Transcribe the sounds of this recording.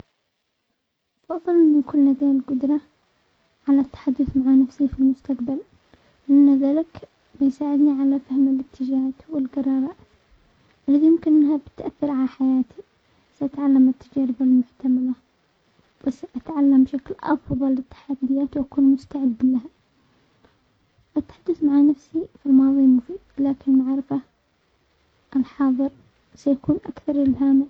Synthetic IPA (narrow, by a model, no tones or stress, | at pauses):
fɑðˤːɨlmɪnkʊlːnad̪aːlɡʊd̪ɾˤɑ | ʕalat̪ːḁħad̪ːʊθmaʕanafsifilmʊst̪aqbal | lɪʔanːaðaːlɪk | bɪjsaːʕɪd̪niʕalafahmɪlɪt̪ʰːɪd͡ʒaːd̪wɪlɡɑrˤːɑːbaː | ʔɪlːiðijɪmkɪnʔɪnːhabɪ̥t̪ʔaθːɑɾˤʕalaħajaːt̪i | saʔat̪ʕalːamɪt̪ːad͡ʒaːɾɪbalmʊħt̪amala | wɪsaʔat̪ʕalːambɪʃaklʔɑ̰fðˤɑlɪt̪ːḁħad̪ːɪjaːt̪wʔakuːnmʊst̪aʕɪd̪ːlaha | ʔɪt̪ːḁħad̪ːʊθmaʕanafsifilmɑːðˤimʊfiːd̪̥laːkɪnmaʕɾɪfa | ʔɪlħɑːðˤɨɾ | sajakuːnʔa̰kθɑɾˤɪlɦaːmɪ